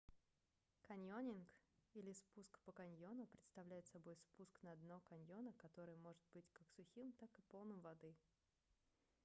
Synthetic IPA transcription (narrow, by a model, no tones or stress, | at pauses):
kɐnʲjonʲɪnkilʲɪspuskpəkɐnʲjo̞nʊpɾʲɪt̪st̪ɐvlʲæjɪt̪sɐbo̞jspusknɐɐd̪nokɐnʲjo̞nəkɐt̪o̞ɾɨjəmo̞ʐɨt̪̚bɨtʲkaksʊxʲimt̪akɨpolˠnɨmvɐd̪ɨ